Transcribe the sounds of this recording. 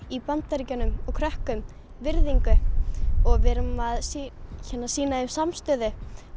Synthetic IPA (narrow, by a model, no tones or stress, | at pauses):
ipant̪aɾicanʏmɔɣkʰɾœhkʏm | vɪɾðiŋkʏ | ɔɣvɛɾʏmːaðsiçɛnːasiːnaɪmsamst̪œːðɪ